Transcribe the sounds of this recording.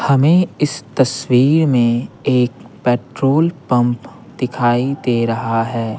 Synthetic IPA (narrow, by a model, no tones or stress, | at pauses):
hɐmẽɪst̪ɐswiːɾmẽeːkpɛːʈɾoːlpɐ̃mp | d̪ɪkʰaːid̪eɾɐɦaɦɛː